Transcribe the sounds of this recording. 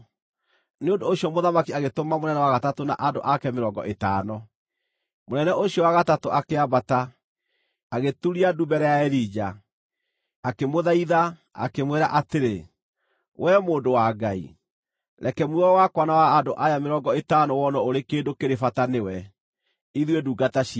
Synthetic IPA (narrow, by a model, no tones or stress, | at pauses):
neondooɕjɔmoðamakiaɣetomamonɛnɛwaɣatatona̰ʔando̰ʔakɛmeɾɔːŋɡɔ̰ʔetaːnɔ | monɛnɛʔoɕiɔwaɣatatoʔakeabata | aɣetuɾiadubɛɾɛjaɛɾid͡ʒa | akemoðaiða | a̰kemweɾa̰ʔateɾe | wʔɛmoːndowaɡaḭ | ɾɛkɛmwɔwakwanawaːndoʔajameɾɔŋɡɔetaːnɔwɔnɔoɾekeːndokeɾefatanewɛ | iðweduːɡataʃi